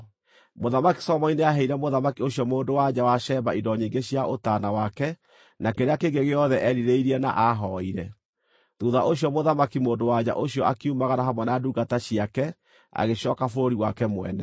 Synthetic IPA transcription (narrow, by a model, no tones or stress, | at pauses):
moðamaki̥sɔmɔineaɦɛiɾɛmoðamakioɕjɔmoːndowad͡ʑawaʃɛmbaidɔɲiːɡeɕijaʔotanawakɛ | nakeɾeakeŋɡeɣeɔðɛʔɛɾiɾeiɾiɛna̰ʔaɦɔiɾɛ | ðuðaʔoɕijɔmoðamakimoːndowaɲa̰ʔoɕijɔakiumaɣanaɦamwɛnaduːɡataɕiakɛ | a̰ɣeɕɔkafoɾoɾiwakɛmwɛ̰nɛ